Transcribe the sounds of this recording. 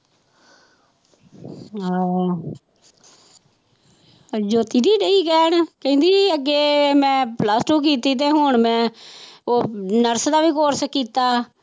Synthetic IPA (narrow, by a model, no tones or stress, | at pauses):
d͡ʒoːt̪iːɾiːɖəiːkɛːɳkəĩːnd̪iːəɡːeːmɛ̃ːplaːsʈuːk̬iːt̪iːt̪̬eːɦʊɳmɛ̃ːoːnəɾsd̪aːʋiːkoːɾsəkːiːt̪aː